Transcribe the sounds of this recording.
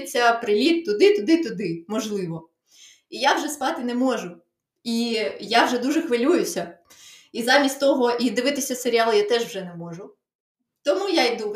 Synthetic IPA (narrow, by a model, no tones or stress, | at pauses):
t͡sʲːɐpɾɪlʲit̪̚t̪ʊd̪ɪt̪ʊd̪ɪt̪ʊd̪ɪmɔʒlˠɪʋɔ | ijawʒɛsp̪ɑt̪ɪnɛmɔʒʊ | ijawʒɛd̪uʒɛxʋɪlʲujʊsʲɐ | izɑmʲisʲtʲt̪ɔɦɔʔid̪ɪʋɪt̪ɪsʲɐseɾʲiɑlˠɪjat̪ɛʒwʒɛnɛmɔʒʊ | t̪ɔmujajd̪u